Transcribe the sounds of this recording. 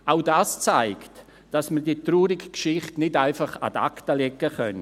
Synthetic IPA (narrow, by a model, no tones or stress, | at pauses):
ʔaʊdaːst͡saɪkt | d̥asmədiːtruːɾɪkkʃɪχtnɪdaɪfɑχa̰da̰ktəlɛkːəχœn